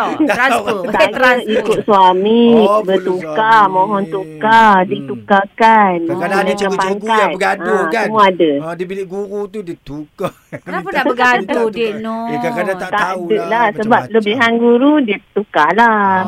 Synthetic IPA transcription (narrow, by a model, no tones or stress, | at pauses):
sajaikʊʔ̪̚suamibət̪ukamɔ̃ɦɔnt̪ukadit̪ukakanənakanpaŋkat̪ɡaausəmuaːdədipiliʔɡuɾut̪udit̪uka | p | t̪adəʔlahsəbap̚ləbiɦanɡuɾudit̪ukala